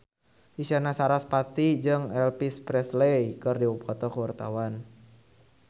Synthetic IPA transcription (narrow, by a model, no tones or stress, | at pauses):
ʔisanasaɾaspat̪id͡ʒɨŋɛlpispɾɛslejkɨrdiwupʰɔt̪ɔkəwart̪awan